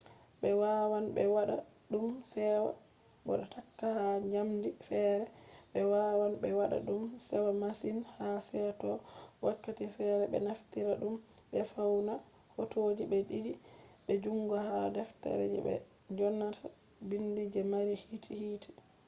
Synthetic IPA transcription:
ɓɛwawanbɛwaɗa | ɗumsɛwa̰ | bɔ̰ɗɔtakːahaɲamdifɛɾɛɓɛwawanɓɛwaɗa̰ɗumsɛwamasinhasɛtɔwakːatifɛɾɛɓɛ̰naftiɾaɗumɓɛfawna | hotod͡ʒibɛɗidiɓɛd͡ʒuŋɡahadɛftɛ̰ɾɛ̰d͡ʒɛ̰bɛ̰ | ɲd͡ʒɔnːatʰa | bindid͡ʒɛmaɾihitʰihiːtʰɛ̥

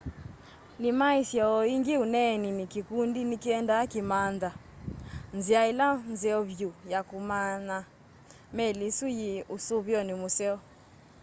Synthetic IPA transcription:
nimaisjɔɔiŋɡeunɛninikikundinikiɛndakimanda | nziailanzɛɔβjujakumana | mɛlisujeʔusoβjɔnemosɛɔ

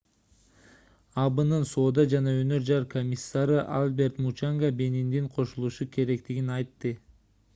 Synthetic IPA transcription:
ɑbɯnɯnso̞ːd̪ɑd͡ʒɑnɑønø̞ɾd͡ʒɑɾkʰomʲisːaɾɯʔalˠbe̞ɾt̪mut͡ʃaŋɡabe̞nind̪iŋqʰo̞ʃulˠuʃukʲʰe̞ɾe̞kt̪iɡinɑjt̪ːɯ

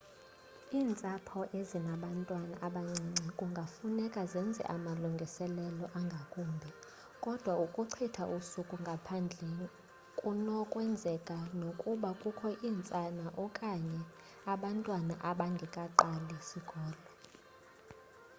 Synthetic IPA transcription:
iːnt͡sʼapʰɔʔezinaɓantʼwanaʔaɓaŋ͡ǀiŋ͡ǀʱikʼuŋɡʱafunɛkʼazɛnd͡zʱɛ̰ʔamaluŋɡʱisɛlɛlɔʔaŋɡʱakʼuːmbʱɛ | kʼɔd̥ʱwaukʼuǀʰitʰaʔusukʼuŋɡʱapʰand͡ɮʱɛ | kʼunɔkʼwɛnd͡zʱɛkʼanokʼuɓakʼukʰɔʔiːnt͡sʼanaʔɔkʼaɲɛ | aɓantʼwanaʔaɓaŋɡʱɛkʼaǃalisiɡ̥ʱɔːlɔ

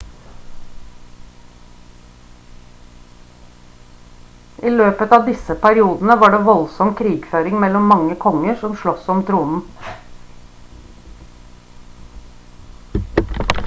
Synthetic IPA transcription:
ʔiːløːpət̪ɑːʋd̪ɪsəpʰæɾɪuːd̪n̩əʋɑːɖeːʋɔlsɔmkʰɾiːɡføːɾɪŋmɛlɔmːɑŋəkʰɔŋəʂɔmʃɭɔsɔmt̪ʰɾuːnn̩

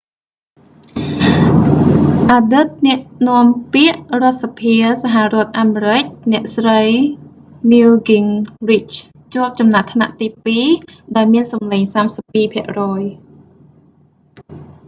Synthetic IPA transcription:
ʔaːɗɨt̪̚nɛ̆əʔnŏəmpiəʔrŏət̪̚sapʰiəsaɦarŏət̪̚ʔaːmeːɾɨc̚nɛ̆əʔsrəj | niuɡiŋrit͡ɕ | t͡ɕŏək̚t͡ɕɑmnat̪ʰna̰ʔt̪iːpiːɗaɔjmiənsɑmleːŋsaːmsəpːiːpʰĭəʔrɔːj

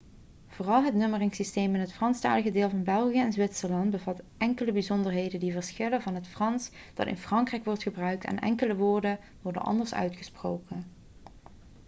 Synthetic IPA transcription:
v̥oːrɑlˠɦətnɵmərɪŋsisteːmɪnɦətfrɑnsta̰ːləɣədeːlˠvɑnbɛlˠχijəɛnzʋɪtsəɹlɑndbəvɑtʔɛŋkələbizɔndəɹɦejdəndivəɹsχɪləvɑnɦətfrɑns | d̥ɑtɪ̰nfrɑŋkrɛjkʋɔɹtχəbrœɥk̚tɛ̰nʔɛ̰ŋkələʋʊːɹdən | ʋɔɹdə̰nʔɑ̰ndəɹsœ̰ɥtχə̥sprowkən

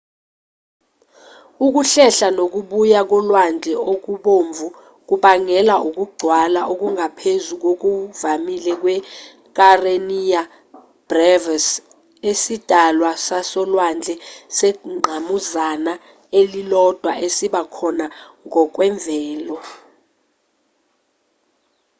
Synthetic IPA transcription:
uk̬uɬɛɬanok̬uɓujak̬ɔlwand͡ɮʱɛok̬uɓoɱb̪vʱu | k̬uɓaŋɛlaʔuk̬ʼuɡ͡ǀʱwalaʔok̬uŋʱapʰezuk̬ok̬uvamilɛk̬wɛ | k̬ʼarenija | b̥rɛvas | esid̥ʱalwasasɔlwand͡ɮʱɛsɛŋ͡ǃʱamuzana | elilɔd̥ʱwaʔesiɓakʰɔnaŋɔk̬wɛɱvʱɛːlɔ

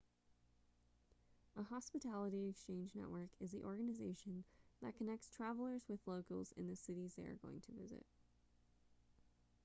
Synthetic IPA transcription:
əhɑspɨtʰælˠəɾiɨkst͡ʃʰẽɪ̃nd͡ʒnɛ̰ʔwə˞kʰɨzðiʔɔɹɡɨnɨzeɪʃɨ̃nðɨ̰t̚kʰɨnɛk̚tstʰɹ̥ævl̩ˠə˞zwɨðloʊkl̩ˠzɨ̰̃nðɨsɪɾizðeɪə̰˞ɡoʊɪ̰̃ŋtʰɨvɪ̰zɪ̰t̚

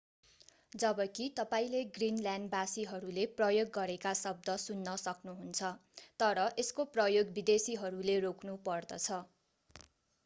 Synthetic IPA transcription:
d͡zʌbʌkit̪ʌpaĩleɡrinlanbasiɦʌɾuleprʌjoɡːʌɾekasʌb̚d̪ʌsunːʌsʌknuɦunt͡sʰʌt̪ʌɾʌʔeskoprʌjoɡbid̪esiɦʌɾuleroknupʌrd̪ʌt͡sʰʌ

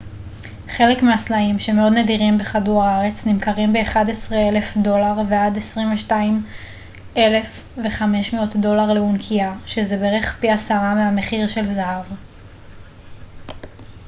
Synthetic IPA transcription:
χe̞lekmeaslaimʃemeo̞d̪nediʁimbeχaduʁaaʁe̞t͡snimkaʁimbe̞ːχadesʁeele̞fdo̞laʁveadesʁimveʃtaim | e̞le̞fve̞χameʃmeo̞tdo̞laʁleunkʰiaʃezebeʁeχpiasaʁameameχiʁʃe̞lzaɦav

